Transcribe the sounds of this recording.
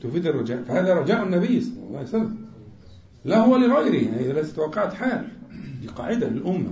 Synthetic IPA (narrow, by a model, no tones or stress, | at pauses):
t̪ʊfiːd̪ɑrˤːɑd͡ʒaːʔfahaːðaɾˤɑd͡ʒaːʔʊnːabɪjːsˤɑlːɑ̰lˤːɑːʕsalːa | lahʊwalɪɣɑjɾiajalat̪ḁt̪wɑːqːɑʕt̪ħaːlliqɑ̰ːʕɪd̪alɪlʔʊmːa̰